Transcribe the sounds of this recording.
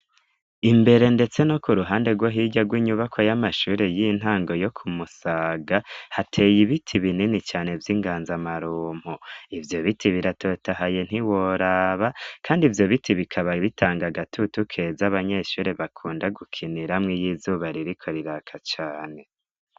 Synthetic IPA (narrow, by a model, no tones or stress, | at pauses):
imbe̞ɾe̞nde̞t͡se̞no̞kuɾuɦaːndeɡwoɦiɟaɡwiːɲuβakʰo̞jamaʃuːɾe̞jin̥ɦaːŋɡo̞jo̞kʰumusaːɡahatʰe̞jiβitʰiβininit͡ʃaːne̞vjiːŋɡaːnzamaɾuːm̥hoivjo̞βitʰiβiɾato̞tahaje̞n̥hiwo̞ɾaːβakʰaːndivjo̞βitʰiβikʰaβaβitʰaːŋɡaɡatʰutukʰe̞zaβaɲe̞ʃuːɾe̞βakʰuːndaɡukʰiniɾamŋijiːzuβaɾiɾikʰo̞ɾiɾakʰat͡ʃaːne̞